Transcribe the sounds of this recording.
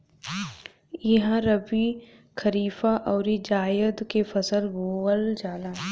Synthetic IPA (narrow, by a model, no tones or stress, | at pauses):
iɦãɾɐbi | kʰɐɾiːfaʔɔːɾid͡ʒaːjəd̪kefɐsəlboːəld͡ʒaːlaː